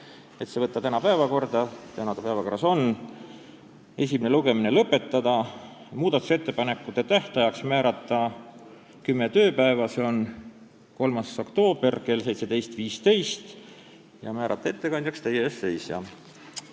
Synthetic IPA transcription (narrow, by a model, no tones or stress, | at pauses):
e̞t̪se̞vɤt̪ːɑt̪ænɑpæevɑko̞rd̪̥ɑt̪ænɑd̪ɑpævɑko̞rɑso̞n | e̞s̬ʲimine̞luɡ̥e̞minelɤpːe̞t̪ˑːɑd̪̥ɑ | muːd̪̥ɑt̪ːˑu̥se̞t̪ːepɑne̞kːˑut̪ːe̞t̪æht̪ɑjɑksmæːɾɑt̪ːˑɑ | kymːe̞t̪ø̞ːpæe̞vɑseo̞n | ko̞lmɑso̞kt̪o̞ːb̥erke̞lse̞jt̪sed̪e̞jst̪viːst̪e̞jst̪ | jɑ̰mæːɾʔɑ̰t̪ːˑɑe̞t̪ːe̞kɑnʲd̪jɑkst̪ejeesːe̞jsjɑ̰